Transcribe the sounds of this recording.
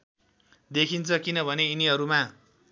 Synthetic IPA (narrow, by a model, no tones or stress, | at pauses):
d̪ekʰint͡sʰʌkinʌbʱʌneiniɦʌɾuma